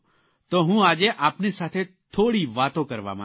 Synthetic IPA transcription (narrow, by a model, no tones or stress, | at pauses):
t̪oːɦũaːd͡ʒeʔaːpnisaːt̪ʰet̪ʰoːɽiʋaːt̪õkɐɾʋa̰mã̰